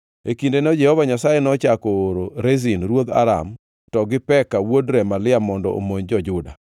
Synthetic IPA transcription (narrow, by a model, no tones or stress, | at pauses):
ekindenɔd͡ʒɛhɔvaɲasajenɔt͡ʃakɔːɾoɾezinɾwod̪a̰ɾa̰m | tɔɡɪpɛkawodɾɛmalɪamɔndɔ̰ʔo̰moɲd͡ʒɔd͡ʒʊda̰